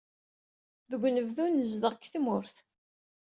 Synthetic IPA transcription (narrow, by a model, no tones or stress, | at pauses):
ðəɡʷnəvðunəzðəʁkθmʊɾθ